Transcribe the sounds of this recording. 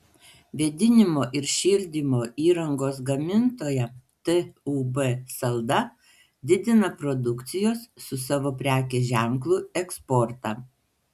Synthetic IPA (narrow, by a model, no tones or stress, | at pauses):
ʋʲɛd̪ʲɪnʲɪmoːʔɪɾʃʲɪːlʲd̪ʲimoːʔiːɾɐŋɡoːs̬ɡɐmʲɪnt̪oːjɛt̪ɨuːbɛsɐlˠd̪ɐ | d̪ʲɪd̪ʲɪnɐpɾɔd̪ʊkt̪sʲɪjoːsːʊsɑːʋoːpʲɾʲæːkʲeːʒʲæˑŋklˠuːɛkspɔɾt̪ɑ